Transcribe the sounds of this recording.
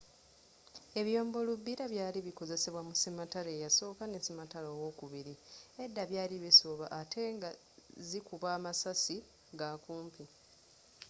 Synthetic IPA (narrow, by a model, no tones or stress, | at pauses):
e̞βjo̞ːmbo̞lubːiɾaβjaːliβiko̞ze̞se̞βwamusimatale̞ːjaso̞ːkanesimatalowoːkuβiɾiedːaβjaːliβisoːβaʔːtʰe̞ŋɡa | zikuβaːmasasi | ɡakuːmpi